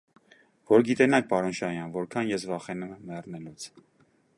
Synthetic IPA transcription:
vɔɾɡit̪ɛnɑk̚ʰpɑɾɔnʃɑjɑnvɔɾkʰɑnjɛsvɑχɛnumɛmːɛrnɛlut͡sʰ

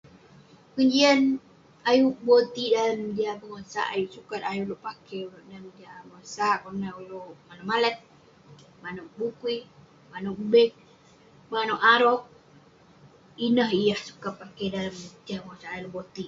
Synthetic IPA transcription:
kəɲd͡ʒiən | ajuʔbot̪idaləmdiapəŋasa̰ʔa̰juʔsukat̪ajuloʔpakelʔdamdiapəŋasaʔkurnauloʔmanamalət̪̚ | manoʔ̚bukui | manuʔ̚bɛk̚ | manoʔaɾoʔ̚ | inəɦijahsu̥kapːakedaləmtiapəŋasaʔajloʔbot̪i

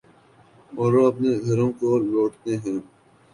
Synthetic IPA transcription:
ɔːɾoɐpneɡʱɐɾõkoloːʈt̪eɦɛ̃ː

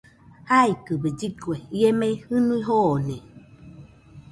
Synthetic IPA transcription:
haikɨbəd͡ʒikuejemɛhɨniɦɔnɛ

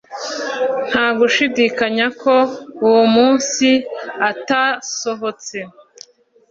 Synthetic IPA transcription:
n̥haːɡuʃidikaɲako̞uwumuːnsiataso̞ɦo̞t͡se̞

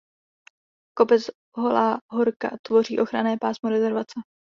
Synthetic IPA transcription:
ko̞pɛt͡s | ɦo̞laːɦoɾka̰t̪vo̞rḭːʔo̞xɾanɛːpaːsmoɾɛzɛɾvat͡sɛ

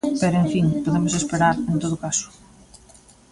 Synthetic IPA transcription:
pɛɾʊeɱfiŋpoðemʊsespeɾaɾẽnt̪oðʊkasʊ̥

